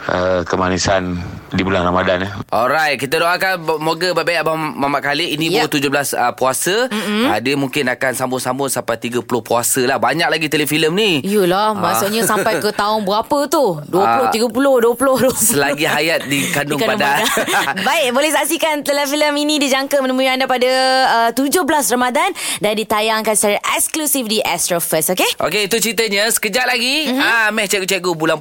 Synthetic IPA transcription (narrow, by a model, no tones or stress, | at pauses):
əkəmanisan | dibulaŋɾamadanəʔɔlɾajt̪̚kit̪adoʔakanmoɡəbajbajʔabamamaʔkaliinĩt̪ud͡ʒohblasəpuasəadəmũŋkɪnakansambʊnsambʊsampajt̪iɡəpulʊhpuasəlahbaɲak̚laɡit̪eləfiləmnijəlahmasuʔɲasapajkət̪aʊnbəɣapət̪uduəpuloiɡəpulohduəpuloht̪usəlaɡiɦajat̪̚dikandiʊŋkabãŋdadabaɪʔ̚bolɛhsaʔsikant̪eləfiləminĩdid͡ʒaŋkəmənə̃mũiandapadəət̪ud͡ʒʊhblasramadandandit̪ajaŋkanst͡ʃaɾaʔɛksklusifdiʔɛst̪ɾofəsokeʔo̰keit̪ut͡ʃɾit̪̬əɲəsə̥kəd͡ʒat̪̚laɡiamɛht͡ʃɛɡut͡ʃɛɡubulan